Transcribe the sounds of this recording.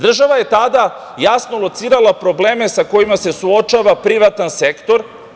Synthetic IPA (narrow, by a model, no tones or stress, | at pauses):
d̪r̩ʒaʋaje̞t̪ad̪a | jasno̞lot̪siːɾalˠapɾo̞ble̞ːmesako̞jimase̞suot͡ʃaʋapɾiʋat̪ansekt̪o̞ɾ